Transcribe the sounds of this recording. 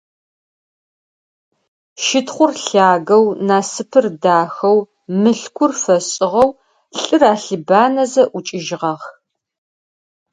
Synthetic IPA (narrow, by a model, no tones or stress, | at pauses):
ʃɪtχʷʊrɬaːɣɐwnaːsɨpʰɨrdaːxɐw | mɨɬkʷʰʊrfɐɕʼɪʁɐw | ɬʼɨraːɬɨbaːnɐzɐʔʊt͡ʃʼɪʒɪʁɐʁ